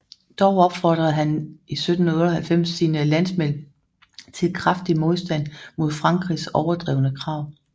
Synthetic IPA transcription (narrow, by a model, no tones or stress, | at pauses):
d̥ɒʊɒ̽b̥fɒd̥ʁɐð̩ˠɦænisød̥n̩huð̩ˠɔɾɐhælfem̰sinəlæn̰smel̰ | t͡sʰe̝lkʰʁafd̥imo̝ð̞ˠsd̥æn̰mo̝ð̞ˠfʁɑ̈ŋɡ̥ʁisɒʊɐd̥ʁɛ̰ːʊnəkʰʁɑ̈ʊ̰